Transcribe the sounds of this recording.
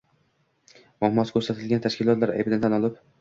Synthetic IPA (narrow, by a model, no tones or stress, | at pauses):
mɒhmɒt̪kʲʰɵɾsat̪ʰɪlɡʲant̪ʰaʃkʲɪlˠɒt̪laɾa̰bd̪ant̪ʰanɒlˠɪp